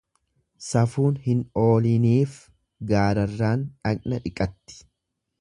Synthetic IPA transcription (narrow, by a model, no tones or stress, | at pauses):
sɐfuːnhɪno̞ːlɪniːf | ɡaːɾɐrːaːnᶑɐkʼnɐᶑɪkʼɐt̪ːɪ̥